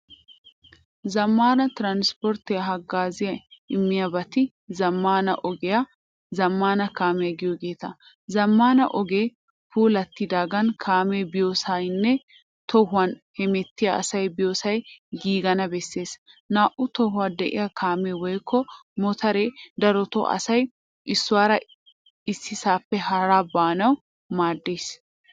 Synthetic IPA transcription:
zɐmːaːnɐt̪ɪɾanspɔɾt̪ɪjɐɦɐɡːaːzɪjɐɪmːɪjɐbɐt̪ɪ | zɐmːaːnɐ̰ʔɔɡɛjɐ | zɐmːaːnɐkaːmɛjɐɡɪjɔɡeːt̪ɐ | zɐmːaːnɐ̰ʔɔɡeː | puːlɐt̪ːɪd̪aːɡɐnkʰaːmebɪjoːsɐjnːɛ | t̪ʰɔhʊwɐnhɛmɛt̪ːɪjaɐ̰sɐjbɪjoːsɐjɡiːɡɐnɐbɛsːe̞ːsnaːʔʊt̪ɔhʊwaːd̪ɛʔɪ̰jakʰaːmewɔjkʰːɔmɔt̪ʰɐɾeːd̪ɐɾɔt̪ɔ̰ʔɐ̰sɐj | ʔɪsːʊwaːɾɐ | ɪsːɪsaːpːɛɦɐɾaːbaːnɐw | maːd̪ːeːs

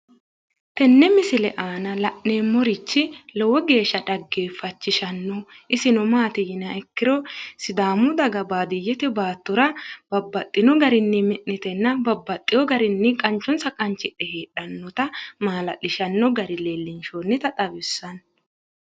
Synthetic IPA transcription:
t̪ɛnːɛmɪsɪlɛʔaːnɐlɐʔneːmːɔɾɪt͡ʃːɪlɔwɔɡe̞ːʃːɐd̪ɐɡːeːfɐt͡ʃːɪʃɐnːɔʔɪsɪnɔmaːt̪ɪjɪnɐɛkːɪɾɔsɪd̪aːmʊd̪ɐɡɐbaːd̪ɪjːɛt̪ɛbaːt̪ːʊɾɐb̥ɐbːɐt̪ʼːɪnɔɡɐɾɪnːɪmɛʔːɪt̪ɛnːɐbɐbːɐt̪ʼːɪjɔɡɐɾɪnːɪkʼɐnt͡ʃːɔnsɐkʼɐnt͡ʃːɪᶑːɛheːᶑɐnːɔt̪ɐmaːlɐ̰ʔɪʃɐnːɔɡɐɾɪleːlːɪnʃoːnːɪt̪ɐt̪ʼɐbɪsːɐn

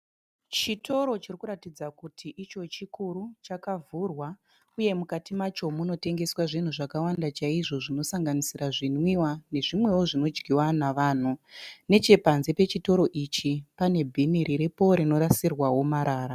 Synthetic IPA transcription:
t͡ʃito̞ɾo̞t͡ʃirikuɾatid͡zakutʰiʔit͡ʃo̞t͡ʃikuɾut͡ʃakavʱurwa | uje̞mukatimat͡ʃo̞muno̞te̞ŋɡe̞swaʐin̤uʐakawandat͡ʃaiʐo̞ʐino̞saŋɡanisiraʐinwiwane̞ʐimwe̞wo̞ʐino̞d͡ʒɡʱiwanaʋaːn̤une̞t͡ʃe̞panze̞pe̞t͡ʃito̞ɾo̞ʔit͡ʃipane̞bʱiniɾiɾepo̞ɾeno̞ɾasirwawo̞maɾaːɾa

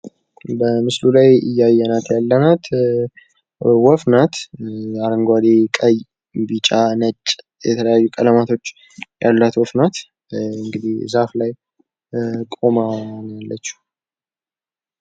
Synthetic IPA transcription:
bəmɨslulajɨ̰jːajːɛnat̪jalːənat̪ | wɔfnat̪aɾəŋɡʷad̪ekʼəj | bit͡ʃʼanət͡ʃʼː | jɛt̪ʰələjajːukʼələmat̪ʰo̞t͡ʃː | jalːat̪wɔfnat̪ | ɨŋɡɨd̪ihzaflaj | kʼo̞manjalːət͡ʃːu̥

